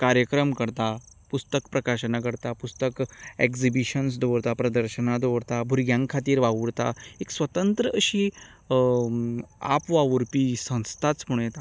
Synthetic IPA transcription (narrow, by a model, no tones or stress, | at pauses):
kaɾjəkɾəmkəɾt̪a | pust̪əkpɾəkaɕənakəɾt̪apust̪əkekzibiɕəns̬d̪oʋɽt̪apɾəd̪əɾɕənad̪oʋɽt̪abʱuɾɡjãŋkʰat̪iːɾʋaʋuɽt̪a̰eksʋət̪ənt̪ɾəʔəɕiː | a̰pʋaʋuɾpiːsə̃w̃st̪ʰat͡sm̤uɽ̃jet̪a